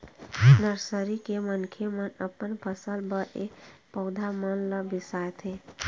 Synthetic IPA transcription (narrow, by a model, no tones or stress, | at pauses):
nəɾsəɾikemənkʰemənəpənpʰəsəlbəʔepəʊd̪ʱamənləbisat̪ʰe